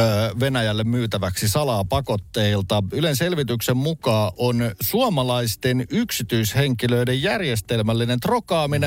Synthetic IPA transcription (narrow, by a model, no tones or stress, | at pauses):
ʋe̞næjælːemmyːt̪æʋæksisɑlɑːpɑko̞t̪ːeilt̪ɑylense̞lʋit̪yksemmukɑːʔonsuɑmɑlɑist̪enyksit̪yisheŋkiløidejjærjest̪elmælːinent̪rokɑːmine